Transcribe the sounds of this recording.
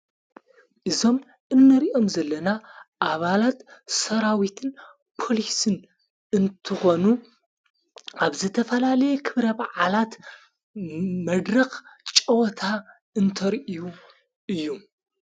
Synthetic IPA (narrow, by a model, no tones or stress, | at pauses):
ʔɨzo̞m | ʔɨnːɐɾiʔo̞mzɐlːɐnaʔaβalat̪sɐɾawit̪ʰɨn | pʰo̞lisɨn | ɨnt̪ʰɨxo̞nu | aβzɨt̪ʰɐfɐlalɐjɛkʰɨβɾɐbaʕalat̪ | mɐd̪ɾɐxt͡ʃʼɐwt̪ʰa | ɨnt̪ʰɐɾʔiju | ʔɨjːu